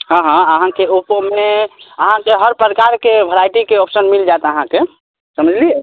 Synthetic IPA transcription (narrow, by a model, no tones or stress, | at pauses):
ɦə̃ɦãəɦãkeupomeəɦãkeɦəɾpɾkaɾkebʱəɾajʈikeopsənmild͡ʒat̪əɦãke | səməd͡ʒʱlie